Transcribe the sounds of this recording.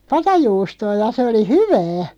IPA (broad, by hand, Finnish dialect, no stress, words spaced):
pɑtɑjuːstoː jɑ se oli hyʋæː